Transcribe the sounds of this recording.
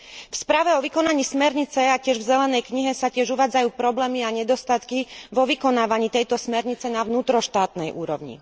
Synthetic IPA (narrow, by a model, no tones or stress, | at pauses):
fspɾaːʋɛɔʋikɔnaɲiːsmɛɾɲit͡sɛacɪɛʒvzɛlɛnɛjkɲiɦɛsacɪɛʒuʋaːd͡zajuːpɾɔblɛːmiaɲɛd̪ɔst̪at̪kiʋɔʋikɔnaːʋaɲiːt̪ɛjt̪ɔsmɛɾɲit͡sɛnaʋnuːt̪ɾɔʃt̪aːt̪nɛjʔuːɾɔ̰ʋɲḭ